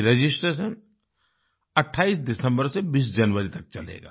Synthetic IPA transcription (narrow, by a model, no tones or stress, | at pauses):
ɾed͡ʒɪsʈɾeːʃən | ɐʈʰːaːisd̪ɪsə̃mbəɾsebiːsd͡ʒɐnʋəɾit̪ɐk̚t͡ʃɐlḛːɡa̰ː